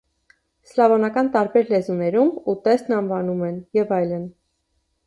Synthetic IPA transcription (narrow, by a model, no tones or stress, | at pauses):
slɑvɔnɑkɑnt̪ɑɾbɛɾlɛzunɛɾumut̪ɛst̪nɑnvɑnumɛnjɛvɑjlən